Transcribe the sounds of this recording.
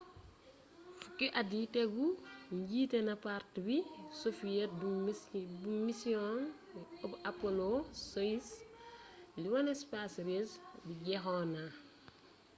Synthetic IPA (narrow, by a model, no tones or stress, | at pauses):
fukːiʔaditɛɡuɲɟiːtɛnɐpartbisofijɛt̚ubumisiɔn | ɐpapolosois | liwɐnɛspasɾesbiɟɛxɔna